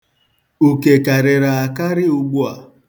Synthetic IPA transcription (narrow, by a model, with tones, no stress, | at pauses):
u˨ke˨ka˨ɾɪ˨ɾa˨a˨ka˦ɾɪ˦ʊ˨ɡ͡bu˦a˨